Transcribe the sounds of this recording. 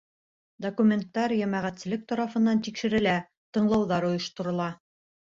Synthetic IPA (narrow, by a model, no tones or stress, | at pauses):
d̪okumʲe̞nt̪ːɑɾjæmæʁæt̪sɘ̆lɘk̚t̪ɑɾɑfɤ̆nːɑnt̪ikʃɘ̆ɾɘ̆læ | t̪ɤ̆ɴlˠɑwðɑɾŏjɤ̆ʃt̪ŏɾŏlˠɑ